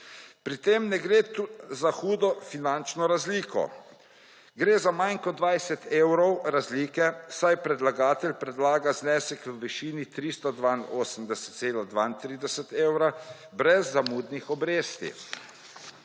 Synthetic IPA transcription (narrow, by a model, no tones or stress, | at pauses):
pɾit̪emnɛɡɾeːt̪uzaxuːd̪ɔfinant͡ʃnɔɾazliːkɔ̰ | ɡɾeːzamajnkɔd̪ʋajsɛt̪ewɾɔwɾazliːkɛsajpɾɛd̪laɡaːt̪ɛlʲpɾɛd̪laːɡaznɛːsɛkʋəʋiʃiːnit̪ɾist̪ɔd̪ʋaːnoːsəmd̪ɛsə̥t̪t̪seːlad̪ʋaːint̪ɾiːd̪ɛsət̪eːwɾa | bɾɛzːamuːd̪nixɔbɾeːst̪ḭ